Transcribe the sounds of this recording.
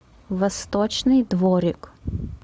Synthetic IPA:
vɐst̪ɔt͡ʃnɨjd̪vɔɾʲik

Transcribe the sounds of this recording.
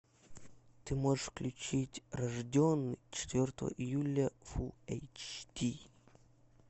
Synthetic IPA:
t̪ɨmoʐɨʂfklʲʉt͡ɕitʲrɐʐdʲonːɨjt͡ɕɪ̥t̪vʲort̪əvə̰ʔɪjulʲːəfuɛ̰jt͡ʃt̪ʲi

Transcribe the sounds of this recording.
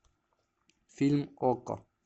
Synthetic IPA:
filmɔkɔ̰

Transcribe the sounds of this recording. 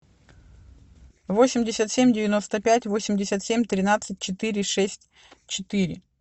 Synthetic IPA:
vo̞sʲɪmʲdʲɪsʲət̪sʲemʲdʲɪvʲɪno̞st̪əpʲætʲvo̞sʲɪmʲdʲɪsʲət̪sʲemʲt̪ɾʲɪnat̪sɨt̚ʲt͡ɕɪt̪ɨɾʲɪʂɛsʲtʲ | t͡ɕɪt̪ɨɾʲɪ̰

